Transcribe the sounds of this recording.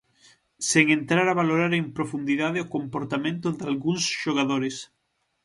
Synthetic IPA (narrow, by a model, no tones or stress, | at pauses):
seŋent̪ɾaɾaβaloɾaɾempɾofund̪iðaðeokompoɾt̪amẽnt̪ʊðalɣuŋsʃoɣ̞aðoɾes